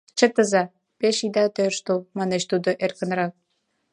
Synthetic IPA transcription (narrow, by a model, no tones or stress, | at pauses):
t͡ɕə̆t̪ə̆zɑ | peʃid̪ɑt̪ørʃt̪omɑnet͡ɕt̪ud̪ŏʔerkə̆nɾɑk̚